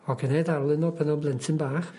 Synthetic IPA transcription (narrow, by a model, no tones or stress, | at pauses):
ɔɡənejdaɾlˠɪnɔpʰənɔnblˠɛntʰɪnbaːχ